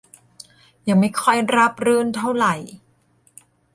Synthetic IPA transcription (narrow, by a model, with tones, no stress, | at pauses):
jaː˨˩ma˥˩jkʰɔ˥˩jɾa˦˥p̚ɾɯː˥˩nt̪ʰa˥˩wɾa˨˩j